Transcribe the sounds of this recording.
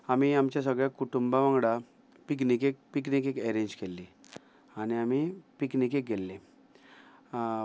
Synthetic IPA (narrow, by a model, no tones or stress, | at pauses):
amiamt͡ɕjasəɡɭjakuʈumbaʋãŋɡɽa | piknikek̚piknik̬ekeɾẽɲd͡ʑkelːi | añiamipiknikek̚ɡʱelːe